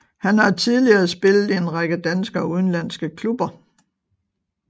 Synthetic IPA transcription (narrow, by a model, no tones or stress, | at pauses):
hænhɑ̈t͡sʰið̞ˠliɐsb̥e̝lð̩ˠienʁɑɡ̥əd̥ænsɡ̥ɐuð̞ˠn̩læn̰sɡ̥əkʰlub̥ɐ